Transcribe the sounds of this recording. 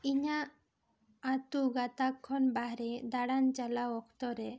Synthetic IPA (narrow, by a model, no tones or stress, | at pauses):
iɲaː | t̪uɡat̪akʰːɔnbaɦɾɛd̪aɽant͡ʃalaɔkt̪ɔɾɛ